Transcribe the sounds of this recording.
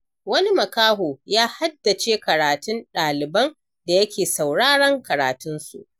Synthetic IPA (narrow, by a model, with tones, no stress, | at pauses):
wɐ˦ni˦mɐ˨kaː˦ɦoː˨jaː˦ha˦dːa˨t͡ʃeː˦kɐ˨ɾaː˨tʊ˦nɗaː˨lɪ˨bɐ˦n | da˨jɐ˦kʲeː˨sa˨wɽaː˦ɽɐ˦ŋkɐ˨ɾaː˨tʊ˦nsṵ˨ʔ